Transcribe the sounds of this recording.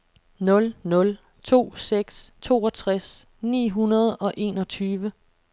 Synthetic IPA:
nɔ̽lnɔ̽l | t͡sʰo̝̰ːseɡ̥st͡sʰo̝̰ːɒ̽t͡sʰʁas | nḭːɦunɐð̞ˠɒ̽ʔe̝̰ːnɒ̽t͡sʰyːʋə

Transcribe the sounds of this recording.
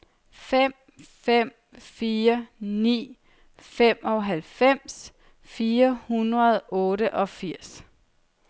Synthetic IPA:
fem̰ | fem̰ | fiːɐnḭː | fem̰ʔɒ̽ɦælfem̰s | fiːɐhunʁɐð̞ˠɔ̽ːɾəʔɒ̽fiɐ̰s

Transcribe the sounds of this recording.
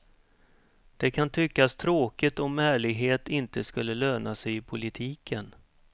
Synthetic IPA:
d̪̥ɛkʰant̪ʰʏkːast̪ʰɾoːkɪt̪ɔmæːɭɪɡɦeːt̪ɪnt̪əskɵlːəløːnasɛjɪpʰʊlɪt̪ʰiːkʰən

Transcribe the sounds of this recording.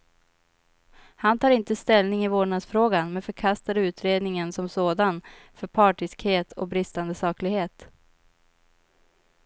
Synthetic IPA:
hant̪ʰɑːɾɪnt̪əst̪ɛlnɪŋɪvoːɳasfɾoːɡanmɛnfœɾkʰast̪ad̪əʉ̟ːt̪ɾeːd̪nɪŋənsɔmsoːd̪an | fœɾpʰɑːʈɪskheːt̪ʰɔ̰k̚bɾɪst̪and̪əsɑːklɪɡheːt̪

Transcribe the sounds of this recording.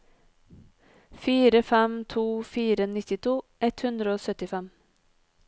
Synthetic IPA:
fiːɾəfɛmt̪ʰuːfiːɾənɪt̪ɪt̪ʰuːʔɛt̪hʉnd̪ɾəoːsœt̪ɪfɛm

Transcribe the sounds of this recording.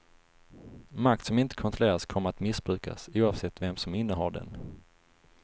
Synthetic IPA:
mak̚t̪sɔmɪnt̪ə̥kʰɔnt̪ɾʊleːɾaskʰɔmːəɾat̪mɪsbɾʉ̟ːkʰa̰suːavsɛt̪ːvɛmsɔmɪnːəɦaɖɛ̰n

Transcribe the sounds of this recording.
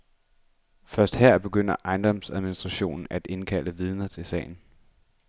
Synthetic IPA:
fɶɐsd̥hæɐ̰b̥e̝ɡ̥øn̰ɐʔɑ̈ɪnd̥ɒ̽msæðˠminisd̥ʁɑ̈ɕo̝̰ːnn̩ʔæd̥e̝nkʰæl̰əʋið̞ˠnɐt͡sʰe̝lsɛ̰ːɪn̩

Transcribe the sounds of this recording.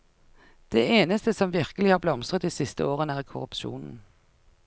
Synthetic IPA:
d̪̥eːeːnəst̪əsɔmʋɪʁkəlɪhɑːʁblɔmsʁət̪iːsɪst̪ə̰oːʁənæːʁkʰʊʁʉpʃṵːnn̩

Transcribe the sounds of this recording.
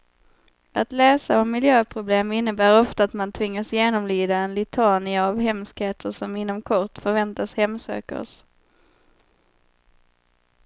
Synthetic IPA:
at̪lɛːsaɔmːɪljøːpʰɾʊbleːmɪnːəbæːɾɔft̪aːt̪mant̪ʰvɪŋːasjeːnɔmlyːd̪aɛnlɪt̪ʰɑːnɪavɦɛmskheːt̪ʰəɾʂɔmɪn̪ːɔmkʰɔʈ̪fœɾvɛnt̪ashɛmːsø̰ːkə̰s

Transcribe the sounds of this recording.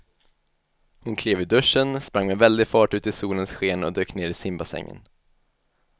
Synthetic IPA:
hʊnkʰleːvʏd̪ɵʂənspɾaŋmɛvɛld̪ɪfɑːʈʉ̟ːt̪ɪsuːlənsɧeːnɔ̰d̪øːkneːɾɪsɪmbasɛ̰ŋːə̰n

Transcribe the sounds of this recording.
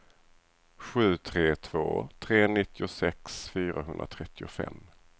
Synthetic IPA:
ɧʉ̟ːt̪ʰɾeːt̪ʰv̥o̰ːt̪ʰɾeːnɪt̪ʰːɪʊsɛksfyːɾaɦɵnd̪ɾa̰t̪ʰɾɛt̪ʰːɪʊfɛ̰mː

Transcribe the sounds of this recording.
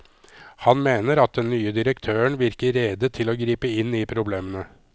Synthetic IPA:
hɑnmeːnəɾɑt̪̚d̪ɛnːyːəd̪ɪɾəkt̪ʰøːəɳʋɪɾkəɾɛd̪ət̪ʰɪloːɡɾiːpəɪnːiːpʰɾʊbleːmənə

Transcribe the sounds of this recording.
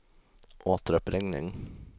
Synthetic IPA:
ʔoːt̪əɾɔpɾɪŋnɪ̰ŋ

